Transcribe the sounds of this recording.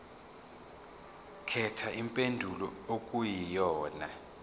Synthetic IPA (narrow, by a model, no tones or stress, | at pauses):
kʰɛtʰaʔimpʼendʱulɔok̬ʼujijɔːna